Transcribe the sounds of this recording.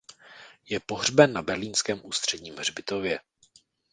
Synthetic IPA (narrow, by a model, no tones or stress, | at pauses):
jɛpo̞ɦr̝bɛnːabɛɾliːnskɛːmʔuːst̪r̝̥ɛdɲiːmrbɪt̪o̞vjɛ